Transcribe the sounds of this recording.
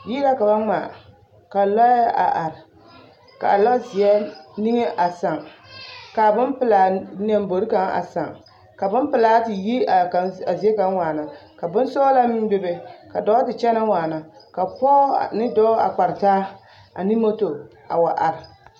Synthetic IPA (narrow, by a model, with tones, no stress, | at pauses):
ji˦la˦ka˨ba˦ŋ͡maː˨ | ka˨lɔ˦a̰˨ʔa˨ɾɪ˨ | ka̰˨lɔ˦zi˨ɛ˦ni˦ŋe˦ʔa˨sa˨ŋ | ka˨bʊ˦npɨ˨la˨nɛ˦m˦bo˨ɾi˦ka˨ŋa̰˨sa˨ŋ | ka˨bʊ˦npɨ˨laː˦tɪ˨ji˦a˨ka˨a˨zi˨ɛ˦ka˨ŋ˦waː˨na˨ka˨bʊ˦n˦sɔ˦la˦mɪ˦bɪ˦be˨ka˨dɔ˨˦tɨ˨t͡ʃɛ˦na˦waː˨na˨ka˨pɔ˦˨nɨ˦dɔ˦a̰˨k͡pa˨ɾtaː˦ | a̰˨ni˦mo˦to˨ | a˨wa˨ʔa˨ɾɪ˨